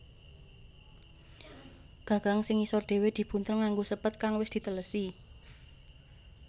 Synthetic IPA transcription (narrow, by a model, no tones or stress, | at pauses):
ɡ̥ä̤ɡ̥a̤ŋsɪŋisɔrd̪̥e̤wed̪̥i̤b̥unt̪əŋːaŋɡosəpət̪̚kaŋwɪsd̪̥i̤t̪ələsi